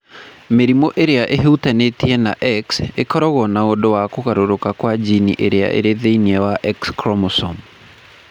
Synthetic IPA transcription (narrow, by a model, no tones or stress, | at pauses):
meɾimɔʔeɾeaʔeɦeutanetiɛnaʔɛksekɔɾɔɣɔnaondowakoɣaɾoɾokakwad͡ʑinḭʔeɾea̰ʔḛɾeðeiniɛwaʔɛkskɾɔmosɔm